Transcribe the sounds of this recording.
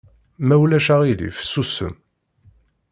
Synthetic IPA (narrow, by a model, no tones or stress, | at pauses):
mæwlæʃaʁilḭfsusə̰m